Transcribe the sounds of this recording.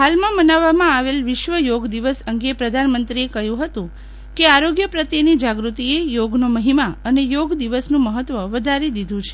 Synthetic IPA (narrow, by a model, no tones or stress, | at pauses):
halmãmənaʋːamãaʋelʋɪʃʋəjoɡd̪iʋəsəŋɡepɾəd̪ʱanmənt̪ɾiekəjũɦət̪ũ | keaɾoɡjəpɾət̪jenid͡ʒaɡɾut̪iejoɡnoməɦimaənejoɡd̪iʋəsnũməɦət̪ːʋəʋəd̪ʱaɾed̪id̪ʱũt͡ʃʰe̥